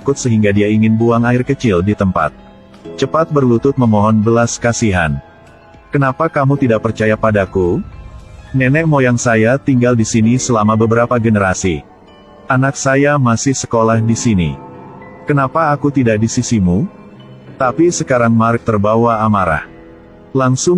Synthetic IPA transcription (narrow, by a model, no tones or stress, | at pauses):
kʊt̪̚səɦiŋɡadiaiŋɪnbuaŋaɪrkət͡ʃɪldit̪əmpa̰t̪̚ | t͡ʃəpat̪̚bərlut̪ʊt̪̚məmɔɦɔnbəlaskasiɦan | kənapakamut̪idaʔ̚pərt͡ʃajapadaku | nɛnɛk̚mojaŋsajat̪iŋɡaldisinisəlamabəbəɾapaɡənəɾasi | ʔanak̚sajamasɪhsə̥kolahdisinḭ | kənapaːkut̪idakdisisimu | t̪apisəkaɾaŋmaɾək̚t̪ərbawaːmaɾa̰h | laŋsʊ